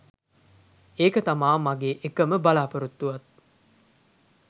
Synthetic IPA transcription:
eːkət̪amaːmaɡeːʔekəməbalaːpəɾut̪ːuʋɐt̪̚

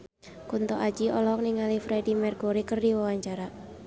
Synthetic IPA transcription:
kunt̪ɔʔad͡ʒiɔlɔk̚niŋalifɾɛdimɛrɡuɾikərdiwawaɲt͡ʃaɾa

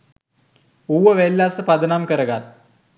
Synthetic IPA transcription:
uwɐʋelːaːsɨpɐd̪ɐnaːmkəɾɐɡal

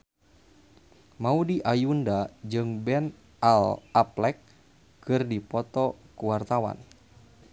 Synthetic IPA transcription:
maudiʔajundad͡ʒɨŋbɛn | alaplɛkː | ɨrdipɔt̪ɔkuwart̪awa̰n

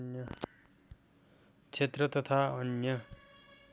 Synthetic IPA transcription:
njʌ | t͡sʰet̪rʌt̪ʌt̪ʰaʌnjʌ

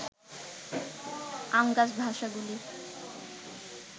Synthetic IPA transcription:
amɡad͡ʑbʱaʃaɡuli

